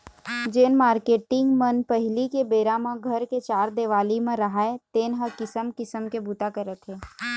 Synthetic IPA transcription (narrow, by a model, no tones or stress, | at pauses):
d͡ʒeːnmaːɾkeːʈɪ̃ŋɡmənpəɦɪlikebeːɾamãɡʱəɾket͡ʃaːɾd̪eːʋaːlimẽɾɐɦaet̪eːnɦəkɪsəmkɪsəmkebuːt̪akəɾət̪ʰɦeː